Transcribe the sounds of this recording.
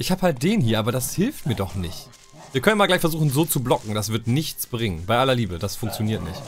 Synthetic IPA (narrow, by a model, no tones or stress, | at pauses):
ʔɪçhaːphalt̚d̥eːnhiːɐʔaːbɐdashɪlftmiːɐdɔχnɪçt | viːɐkœnmalɡlaɪçfɛɐzuːxn̩zoːt͡sublɔkŋ̩dasv̥ɪɐtnɪçt͡sb̥ʁɪŋənbaɪʔalɐliːbəd̥asfʊŋk̚t͡sjoniːɐtnɪ̰çt